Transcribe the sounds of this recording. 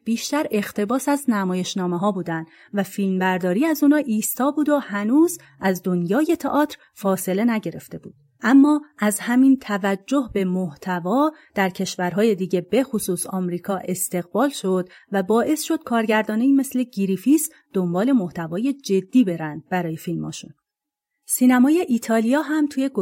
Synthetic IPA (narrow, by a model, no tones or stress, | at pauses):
b̥iːʃt̪æɾe̞xt̪ʰe̞bɒːsæznæmɒːje̞ʃnɒːme̞ɦɒːbuːd̪ænd̪ | væfilmbæɾd̪ɒːɾiːæzuːnɒːʔiːst̪ɒːbuːd̪ohænuːz | ʔæzd̪onjɒːje̞t̪ʰḛʔɒːt̪ʰɾ | fɒːse̞le̞næɟe̞ɾe̞ft̪e̞buːd̪̥ | ʔæmːɒːʔæzhæmint̪ʰævæd͡ʒːo̞hbe̞moht̪ʰævɒːd̪̥æɾcʰe̞ʃvæɾɦɒːje̞d̪iːɡɟe̞be̞xosuːsɒːmɾiːkʰɒːʔe̞st̪e̞ɣbɒːlʃo̞d̪ | væbɒːʔe̞sʃo̞d̪̥̚kʰɒːɾɟæɾd̪ɒːneiːme̞sle̞ɟiɾifis | d̪̥o̞mbɒːle̞moht̪ʰævɒːje̞d͡ʒe̞d̪ːiːbe̞ɾænd̪̥̚bæɾɒːje̞filmɒ̰ːʃṵn | siːnæmɒːje̞ʔiːt̪ʰɒːlijɒːɦæmt̪ʰuːje̞ɡo